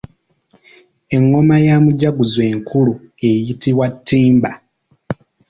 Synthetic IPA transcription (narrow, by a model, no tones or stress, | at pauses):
e̞ŋːo̞majamuɟaɡuzwe̞ːŋkʰulue̞jitiwatʰːiːmba